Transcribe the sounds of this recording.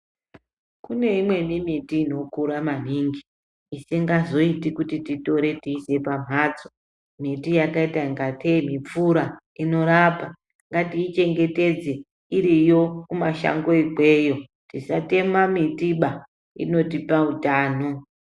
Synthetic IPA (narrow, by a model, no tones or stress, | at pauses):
kune̞imwe̞mimitiːno̞kuɾaman̤iːŋɡiː | seŋɡazo̞itikutitito̞ɾe̞tiːse̞pam̤aːd͡zo | mitijakaitaiŋɡatʰemip͡fuɾa | ino̞ɾapa | ŋɡatiːt͡ʃe̞ŋɡe̞te̞d͡ze | iɾijo̞kumaʃa̰ŋɡo̞ikejo̞ | tisate̞mamitiɓa | ḭno̞tipautaːno